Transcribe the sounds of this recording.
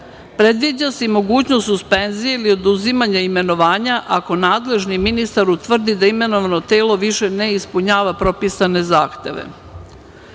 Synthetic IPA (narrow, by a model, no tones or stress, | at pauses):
pɾe̞d̪ʋid͡ʑasimo̞ɡuːt͡ɕnosuspe̞nzijeilio̞d̪uzimaɲaime̞no̞ʋaːɲaʔako̞naːd̪le̞ʒniminist̪aɾut̪ʋr̩d̪id̪aime̞no̞ʋano̞t̪e̞ːlo̞ʋiʃe̞ne̞ispuɲaːʋapɾo̞pisane̞zaːxt̪e̞̰ʋḛ